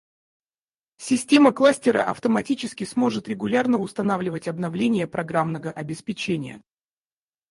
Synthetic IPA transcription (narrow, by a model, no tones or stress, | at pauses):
sʲɪsʲtʲe̞məklˠasʲtʲɪɾə̰ʔɐ̰ft̪əmɐtʲit͡ɕɪskʲɪsmo̞ʐɨt̪ɾʲɪɡʊlʲarnəʊst̪ɐnavlʲɪvətʲɐbnɐvlʲenʲɪjəpɾɐɡɾamnəvəʔɐbʲɪspʲɪt͡ɕenʲɪjə̰